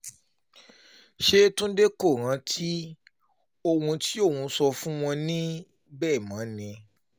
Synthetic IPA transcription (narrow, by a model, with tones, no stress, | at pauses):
ʃe˦tũ˦de˦ko˦˨ɾ̃ã˧tʰi˦ | o˦˧wũ˧ti˦o˦˨wũ˨˧sɔ˧fũ˦w̃ɔ̃˧nĩ˦ | bɛː˦˨mã˨˦nĩ˧